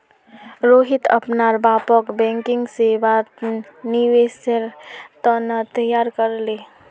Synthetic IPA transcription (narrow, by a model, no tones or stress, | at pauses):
ɾoːɦɪt̪ʰɐ̰pnaːɾbaːpɔkbɛ̃ːŋkɪ̃ŋɡseʋa | niʋeːsəɾt̪ənət̪əjaːɾkəɾleː